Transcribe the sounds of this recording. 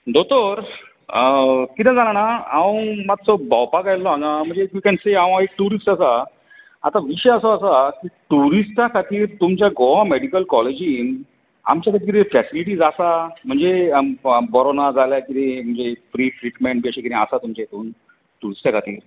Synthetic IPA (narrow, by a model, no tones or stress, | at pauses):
d̪ot̪oɾ | əkit̪ẽd͡zalanaãmat̪̚t͡sɔbawpakajlːɔaŋam̤əɳd͡zeʋikɛɳseaw̃aek̚ʈuɾisʈasa | a̰t̪aʋiɕjəsɔsakiʈuɾisʈakʰat̪iːɾt̪umt͡ɕjaɡɔãmeɽikəlkɔled͡ʑiːn | a̰mt͡ɕjakʰat̪iːɾefɛsiliʈiːd͡zasam̤əɳd͡ze | bɔɾonad͡zʱaljakit̪em̤əɳd͡zefɾifɾiʈmẽɳʈ̚biaɕikit̪ɛ̃əsat̪umt͡ɕaet̪uːn | ʈuɾisʈakʰat̪ḭːɾ